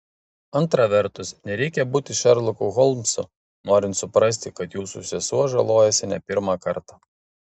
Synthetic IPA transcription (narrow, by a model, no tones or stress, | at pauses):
ɐnˑt̪ɾɑʋʲɛɾt̪ʊsnʲɛɾʲɛɪkʲɛbuːt̪ʲɪʃɐɾlˠʊkʊɣɔlˠmsʊ̰ | noːɾʲɪnt̪sʊpɾɐsʲt̪ʲɪkɐt̪juːsʊsʲɛsuɔʒɐlˠoːjɛsʲɪnʲɛpʲɪɾmɑkɐɾt̪ɑ